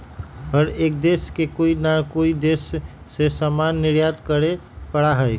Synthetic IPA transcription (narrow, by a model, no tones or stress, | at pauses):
ɦəɾeːk̚d̪eːskekoinakoid̪eːsː | esamanːɪɾjat̪kəɾepəɽaɦəj